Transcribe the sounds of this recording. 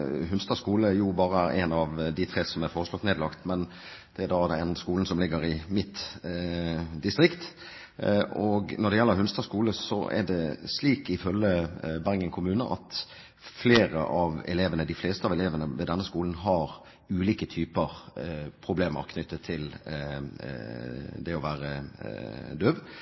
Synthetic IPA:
ɦʉnst̪ɑskuːləjʊbɑːɾəɛnɑʋd̪ɪt̪ʰɾeːsɔmæɾfoːʁəslɔt̪neːd̪lɑkt̪mɛn | d̪̥ɛd̪ɑːd̪ɛnskuːln̩sɔmlɪɡːəɾɪmɪt̪ː | d̪ɪst̪ʁɪkt̪ | ɔɡnɔd̪ɛjɛlːəɾɦʉnst̪ɑskuːləsɔ̰ʔæ̰ɖɛsliːkɪfœlːəbæɾŋəŋkʰʊmʉːnəʔɑ̰t̪ | fleːɾə̰ʔɑʋɛ̰leːʋənəd̪ɪfleːst̪əɑʋɛleːʋənəʋɛd̪ɛnːəskuːln̩ɦɑɾ | ʉːliːkət̪ʰyːpəʁpʰʁʊbleːmə̰ɾkʰnʏt̪ʰːət̪ʰɪl | d̪ɛɔʋæːɾə | d̪øːb

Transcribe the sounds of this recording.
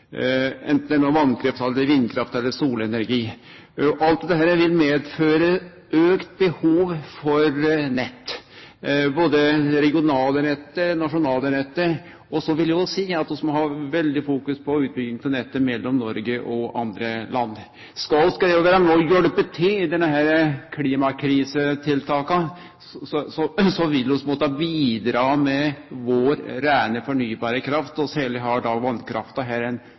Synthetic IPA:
ɛ̰nt̪n̩d̪æɳoːʋɑnkʰɾɛft̪ʰɑld̪əɾʋɪnːkʰɾɑft̪ɛlːəɾsuːlɛnæɾɡiː | ʔɑlt̪d̪ɛɦæːɾəʋɪlmeːd̪føːɾə | øːkt̪̚bəhuːʋfɔɾnɛt̪ː | boːd̪əɾɛɡɪʊnɑːlənɛt̪ːənɑʂʊnɑːlənɛt̪ːə | ɔsɔʋɪljæɔsiːɑt̪̚d̪ɛsmɔɦɑʋɛld̪ɪfuːkʉspʰɔʉːt̪̚bʏɡɪŋt̪ɔnɛt̪ːəmɛlːɔmnɔɾɡəʔɔɑ̰nd̪ɾəlɑnː | skɑlskɑd̪ɛʊʋæːɾɑmoːjøɖəpət̪ʰɪlɪd̪ɛnːəɦæːɾəkʰliːmɑkʰɾiːsət̪ʰɪlt̪ʰɑːkɑ | sɔsɔsɔʋɪld̪ɔsmɔt̪əɑbiːd̪ɾɑːmɛʋoɾɾæɪnəfɔɳyːbɑːɾəkʰɾɑft̪ɔsɛləɦɑɖɑʋɑnkʰɾɑ̰ft̪ɑɦæːɾɛn

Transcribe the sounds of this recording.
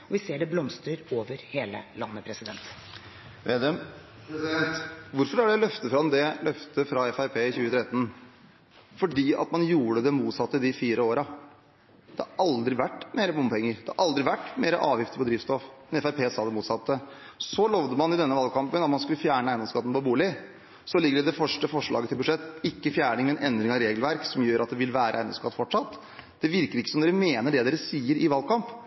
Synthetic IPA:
ɔʋɪseːɖɛblɔmst̪ɾəɾoːʋəɾheːlə̰lɑnːəpʰɾɛsɪd̪ɛnt̪ | ʋed̪ɛm | ɛnt̪ʋʊɾfɔɾɑɖɛlœft̪əfɾɑmd̪ɛlœft̪əfɾɑɛfæɪpʰeːɪçʉːət̪ʰɾɛt̪ːən | fɔɖiːɑ̰t̪mɑnjuːɽəd̪ɛmuːt̪sɑt̪ːəd̪ɪfiːɾʔəoːɾɑ | d̪ɛhɑ̰ɾʔɑld̪ɾɪʋæʈːmeːɾəbʊmpʰɔɛŋːəɾd̪ɛhɑ̰ʔɑld̪ɾɪʋæʈːmeːɾəʔɑːʋjɪft̪əpɔd̪ɾiːʋst̪ɔfɛnɛfæɪpʰeːsɑːd̪ɛmuːt̪sɑt̪ʰːə | sɔlɔʋd̪əmɑnɪd̪ɛnːəʋɑlkʰɑmpənɑt̪mɑnskʉlːəfjæːɳəæɪnɔskɑt̪n̩pɔbuːlɪ | sɔlɪɡːəɖɪd̪ɛfœʂʈəfɔʂɭɑ̰ːɡət̪ɪlbʉd̪ʂɛt̪ːɪkːəfjæːɳɪŋmɛnʔɛnd̪ɾɪŋɑɾeːɡlʋæɾksɔmjøːɾʔɑt̪̚d̪ɛʋɪlʋæːɾəʔæɪnɔ̰mskɑt̪ːfɔʈʂɑt̪ː | d̪̥ɛʋɪɾkəɾɪkːəsɔmd̪eːɾəmeːnəɖɛd̪eːɾəsiːəɾɪʋɑlkɑmp

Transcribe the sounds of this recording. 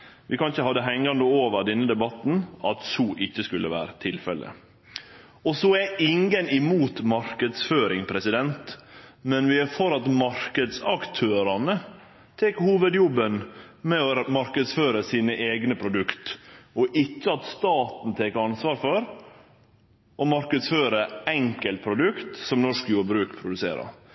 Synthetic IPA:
ʋɪkʰɑnçəhɑd̪ːəɦɛŋːɑnd̪əoːʋəɾɖ̪ɛnːəd̪ɛbɑt̪ːn̩ɑt̪suːʔɪçːəskʉlːəʋæ̰ːɾət̪ʰɪlfɛlə̰ | ɔsoːæʔɪŋːənɪmuːt̪mɑɾkəd̪sføːɾɪŋpʰɾɛsɪd̪ɛnt̪mɛnʋɪæfɔɾɑt̪mɑɾkəd̪sɑkt̪ʰøːɾɑnə | t̪ʰeːkhuːʋəd̪jɔbːən | mɛɔmɑɾkəd̪sføːɾəsiːnəʔeːɡnəpʰɾʊd̪ʉkt̪ɔʔɪt͡ʃːəɑt̪st̪ɑːt̪n̩t̪ʰeːkəɑnsʋɑːɾfɔɾ | ʔɔmɑɾkəd̪sføːɾəɛŋkəlt̪̚pʰɾʊd̪ʉkt̪sɔmnɔʂkjuːɾbɾʉːkpʰɾʊd̪ʉsḛːɾɑ̰ɾ

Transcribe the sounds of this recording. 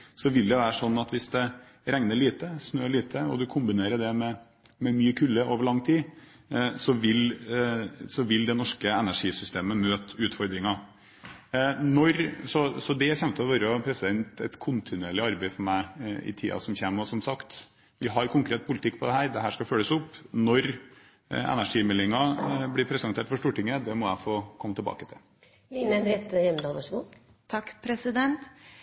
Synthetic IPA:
sɔʋɪld̪ɛʋæːɾəʂɔnːɑt̪ʋɪsd̪ɛ | ɾɛŋnəɭiːt̪əsnøːɭiːt̪ʰəɔ̰d̪ʉkʰʊmbɪneːɾəɖ̪ɛmɛ | mɛmyːəkʰʉlːəʔoːʋəɭɑŋːt̪ʰiː | sɔʋɪl | sɔʋɪld̪ɛnɔʂkəɛnæʂiːsʏst̪eːməmøːt̪ʉːt̪fɔɾd̪ɾɪŋɑ | nɔɾsɔsɔd̪ɛçɛmt̪əɔʋɑɾəɔpʰɾɛsɪd̪ɛnt̪ɛ̰t̪kʰʊnt̪ʰɪnʉeːɭɪɑɾbæɪfɔɾmæɪɪ̰t̪ʰḭːɑ̰sɔmçeːmɔsɔmsɑkt̪ | ʋɪɦɑɾkʰʊŋkʰɾeːt̪̚pʊlɪt̪ʰɪkːpʰɔd̪ɛɦæːɾd̪ɛɦæːʂkɑføːlːəsʊpːnɔɾ | ɛ̰næʂiːmɛlːɪŋɑblɪɾpʰɾɛsɛnt̪eːʈfɔʂʈ̪uːʈɪŋːəd̪ɛmɔæɪfoːkʰɔmːət̪ɪlbɑ̰ːkət̪ʰɪ̰l | linənɾɛt̪ːəjɛməd̪ɑːlʋɑʂɡuː | t̪ʰɑkːpʰɾɛsɪd̪ɛnt̪

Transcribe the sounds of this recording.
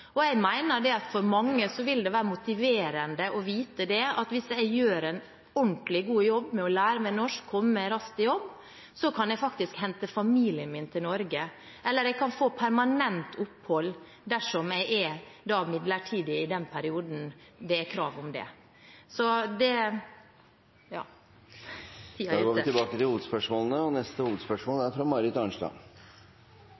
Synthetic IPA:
ɔɛɪɡmæɪnəɖɛɑt̪fɔɾmɑŋːəsɔʋɪld̪ɛʋæːɾəmʊt̪ɪʋeːɾənd̪əʔɔʋiːt̪əd̪ɛɑt̪ʋɪsɛɪɡjøːɾɛɪn | ɔɳt̪lɪɡuːjɔbːmɛɔlæːɾəmɛnɔʂkʰːɔmːəɾɑst̪ɪjɔbː | sɔkʰɑnɛɪfɑkt̪ɪskhɛnt̪əfɑmiːlɪəmɪnt̪ʰɪlnɔɾɡə | ʔɛlːəɾɛɪɡkʰɑnfoːpʰæɾmɑnɛnt̪ʰʊphɔlː | d̪æʂɔmɛɪæd̪ɑːmɪd̪ləʈʰiːd̪ɪɪd̪ɛnpʰæɾɪuːd̪n̩d̪ɛækʰɾɑːʋʊmd̪ɛ̰ | sɔd̪ɛ | jɑ̰ː | siɡoːʋɪt̪ɪbɑːkət̪ɪhuːʋəd̪spœʂmoːlənəɔnɛst̪əhuːʋəd̪spœʂmoːlæɾt̪ʰɾuːmɑɾɪt̪ɑnʂlɑ̰

